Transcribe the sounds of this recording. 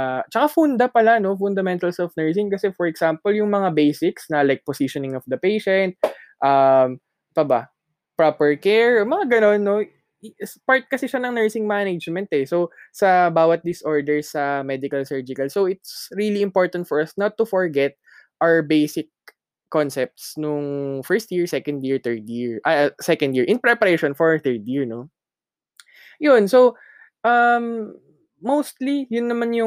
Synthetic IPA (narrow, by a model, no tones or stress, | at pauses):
t͡ʃɐkafund̪ɐpɐlano̞fʊnd̪ɐmɛ̃nt̪ɐlsɛlfnɛɹs̬ɪŋkɐsɛfɔɹɛɡ̥sampɐljʊŋmɐŋabejsɪksnɐlajk̚pɔsiʃɔnɪ̃ŋɔfd̪ɐpejʃɛ̃nt̪̚ʔɐm | pɐbɐ | pɹopɛɹkɛɹmɐŋaɡɐno̞nːo | paɹt̪̚kɐsɪʃanɐŋnɛɹsɪŋmaned͡ʒmɛ̃nt̪ɛsowsɐbaːwɐt̪̚d̪ɪsʔoɹd̪ɛɹsɐmɛd̪ɪkɐlsɛɹd͡ʒɪkɐlsowɪt̪̚sɹiliɪmpoɹt̪ɐnt̪̚fɔɹɐsnɐt̪ːʊfɔɹɡɛt̪̚ | ʔawɛɹbejsɪk̚ː | ɔnsɛp̚t̪snʊŋfɛɹst̪jiɹsɛkɐ̃nd̪jiɹt̪ɛɹd̪jiɹʔɐsɛkɐnd̪jiɹʔɪnpɾɛpɐɾejʃɔnfɔɹθɛɹd̪jiɹno | jʊnsow | ʔɐmː | owst̪lijʊnːɐmanjʊ